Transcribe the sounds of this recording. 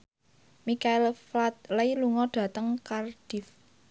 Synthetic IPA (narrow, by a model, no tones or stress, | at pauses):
mikaɪlflat̪̚lajluŋɔɖ̥a̤t̪əŋkarɖ̥if